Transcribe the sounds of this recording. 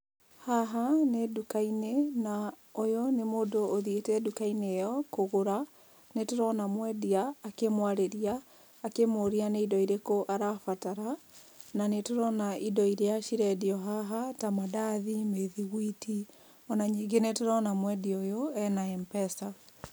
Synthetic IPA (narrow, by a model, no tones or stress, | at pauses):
haɦanedukainena | ojonemoːdoːðietɛdukainejɔkoɣoɾa | netoɾɔnamwɛdiaːkemwaɾeɾiaː | kemoɾianeidɔiɾekoʔaɾafataɾa | nanetoɾɔnaʔidɔiɾeaʃiɾɛdiɔɦaɦatamadaðimeðiɣwiti | ɔnaɲiːŋɡenetoɾɔnamwɛdiojoɛnaɛmpɛsa